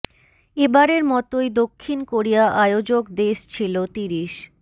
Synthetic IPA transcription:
ebaɾeɾmɔt̪ojd̪okʰːinkoɾijaʔajod͡ʑokd̪eʃt͡ɕʰilot̪iɾiʃ

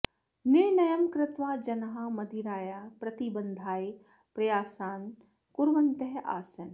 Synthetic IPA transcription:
nɪɾnɐjɐmkɾɪt̪ʋaːd͡ʒɐnɐɦamɐd̪ʱiɾaːjaːpɾɐt̪ibɐnd̪ʱaːi | pɾɐjaːsaːn | kʊɾʋɐnt̪ɐɦa̰ːsɐn

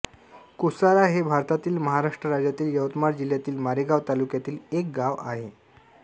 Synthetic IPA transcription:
kusaɾaɦebʱaɾt̪at̪iːlməɦaɾaʂʈɾəɾad͡ʑjat̪iːljəʋt̪maɾd͡ʑil̤jat̪iːlmaɾiɡaʋt̪alukjat̪iːlek̚ɡaʋa̰ɦe

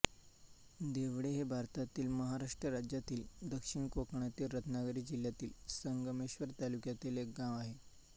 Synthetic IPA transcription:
d̪eʋɽeɦebʱaɾt̪at̪iːlməɦaɾaʂʈɾəɾad͡ʑjat̪iːld̪əkʂiɳkokɳat̪iːɾət̪ʰnaɡɾiːd͡ʑil̤jat̪iːlsəŋɡəmeɕʋəɾt̪alukjat̪ileɡãʋaɦe

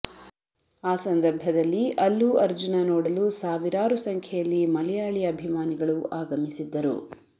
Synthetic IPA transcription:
aːsɐnd̪ɐɾbʱɐd̪ɐlːiʔɐlːuɐɾd͡ʒunɐnoːɽɐlusaːʋiɾaːɾusɐŋkʰjɛjɐlːimɐlɛjaːɭiɐɐbʱimaːniɡɐɭuaːɡɐmisid̪ːɐɾṵ

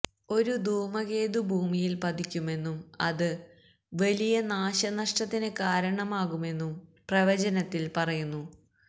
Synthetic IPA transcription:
o̞ɾud̪ʱuːmɐɣe̞ːd̪ubʱuːmijilpɐd̪ikʲːume̞nːumɐ̰ðɨ | ʋɐlijɐnaːɕɐnɐʂʈɐt̪ːinɨkaːɾɐɳɐmaːɣume̞nːumprɐʋɐd͡ʑɐnɐt̪ːilpɐrɐjunːu

